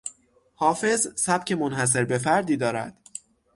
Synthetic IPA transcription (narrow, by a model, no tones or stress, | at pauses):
hɒːfe̞zsæb̥cʰe̞monhæs̬e̞ɾbe̞fæɾd̪iːd̪ɒːɾæ̰d̪̥